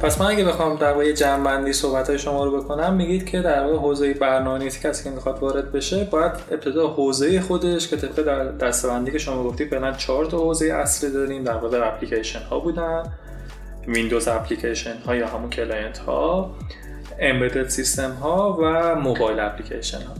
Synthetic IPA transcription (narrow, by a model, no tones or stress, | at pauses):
pʰæsmænæɡæbe̞xɒːmd̪æɾvɒːɣejed͡ʒæmbænd̪iːso̞hbæt̪ʰɒːjeʃo̞mɒːɾobe̞kʰo̞næmːiɡid̪̥cʰe̞d̪æɾvɒːɣeɦoːzejebæɾnɒːmenet̪ʰi̥cʲʰæsiːkcʰemixɒd̪vɒːɾe̞d̪̚be̞ʃe̞bɒːjæd̪e̞p̚t̪ʰe̞d̪ɒːhoːzejexo̞d̪e̞ʃcʰe̞t̪ʰe̞bʁed̪æd̪æst̪e̞bænd̪iːcʰe̞ʃo̞mɒːɡo̞ft̪iːd̪fe̞ɣlænt͡ʃʰɒːɾt̪ʰɒhoːze̞jeʔæ̰slid̪ɒːɾiːmd̪æɾvɒʁeæpʰlicʰeʃenhɒ̰ːbuːd̪æn | vind̪ozæpʰlicʰeʃenhɒːjɒːɦæmuncʰelɒjent̪hɒ̰ | embed̪et̪sist̪e̞mɦɒːvæmobɒːjlæpʰlicʰḛʃḛnhɒ